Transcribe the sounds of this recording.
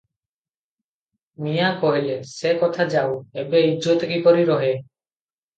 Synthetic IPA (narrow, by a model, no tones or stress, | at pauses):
mijakɔɦilesekɔt̪ʰad͡ʒawebeid͡ʒot̪ekikɔɾiɾɔɦe